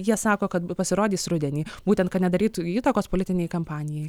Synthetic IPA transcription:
jiɛsɑːkoːkɐt̪pɐsʲɪɾoːd̪ʲiːsɾʊd̪ʲɛnʲiːbuːtʲɛnt̪kɐt̪nʲɛd̪ɐɾʲiːt̪iːt̪okoːspolʲɪt̪ʲɪnʲɛjkɐmpɑːnʲɪjɛj

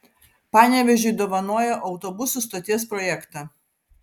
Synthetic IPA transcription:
pɑːnʲɛʋʲɛʒʲʊɪd̪oːʋɐnoɔjɛʔɒʊt̪ɔbʊsʊˑst̪oːt̪ʲiɛspɾɔjɛkt̪ɑː

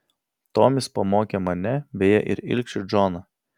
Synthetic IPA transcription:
t̪oːmʲɪspɐmoːkʲemɐnʲɛbʲeːjɛʔɪ̰ɾɪ̰lʲkʲʃʲʊd͡ʒoːnɐ

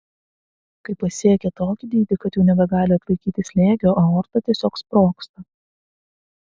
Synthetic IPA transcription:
kɐɪpɐsʲiɛkʲɛt̪oːkʲɪd̪ʲiːd̪ʲɪkɐt̪juːnʲɛbʲɛɡɑːlʲɪɐt̪lˠɐɪkʲiːt̪ʲɪsʲlʲeːɡʲoːʔoːoːɾt̪ɐt̪ʲiɛsʲoːkspɾoːkst̪ɐ

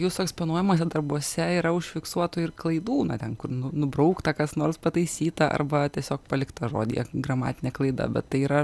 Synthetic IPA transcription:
juːsʊɛksponuɔjɛmoːs̬ʲɛd̪ɐrbuɔsʲɛiːɾɐʊʃʲfʲɪksuɔt̪ʊːɪrklˠɐɪd̪uːnɐt̪ʲɛnkʊrnʊnʊbɾɐʊkt̪ɐkɐsnoːrspɐt̪ɐɪsʲiːt̪ɐʔɐ̰rbɐt̪ʲiɛsʲoːkpɐlʲɪkt̪ɐʒo̰ːd̪ʲḭɛ̰ɡrɐmɑ̰ːt̪ʲɪnʲɛklˠɐɪd̪ɐ̰bʲɛ̰t̪t̪ɐɪiːɾɐ

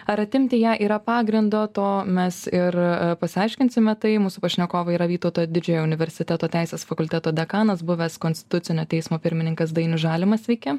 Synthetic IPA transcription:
ɐɾɐt̪ʲɪmʲt̪ʲɪjæːʔiːɾɐpɑːɡɾʲɪnd̪oːt̪oːmʲɛsɪɾpɐsʲɪɐɪʃʲkʲɪnʲsʲɪmʲɛt̪ɐɪmuːsʊpɐʃʲnʲɛkoːʋɐiɾɐʋʲiːt̪oʊt̪oːjd̪ʲɪd͡ʒʲɛjoːʊnʲɪʋʲɛɾʲsʲɪt̪ʲɛt̪oːt̪ʲɛˑɪsʲeːsfɐkʊlʲt̪ʲɛt̪oːd̪ʲɛkɑːnɐsbʊʋʲɛskoːnʲst̪ʲɪ̥t̪ʊsʲɪnʲoːt̪ʲɛɪsmoːpʲɪɾʲmʲɪnʲɪŋkɐsd̪ɐɪnʲʊʒɑːlʲɪmɐsʋʲɛɪkʲɛ

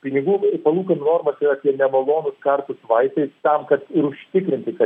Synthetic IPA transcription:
pʲɪnʲɪɡuːpɐlˠuːkɐnnoːɾmɐsiːɾɐːpʲiɛnʲɛmɐlˠoːnʊskɐrt̪ʊsʋɐɪt̪ɐɪst̪ɐmkɐt̪ɪɾʊʃʲt̪ʲɪkɾʲɪnʲt̪ʲɪkɐ

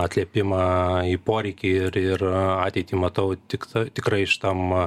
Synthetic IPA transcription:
ɐt̪ʲlʲiɛpʲɪmɑːiːpoːɾʲɛɪkʲiɪɾɪrɑːt̪ʲɛɪt̪ʲiːmɐt̪ɐʊt̪ʲɪkt̪ɐt̪ʲɪkrɐɪɪʃt̪ɐm

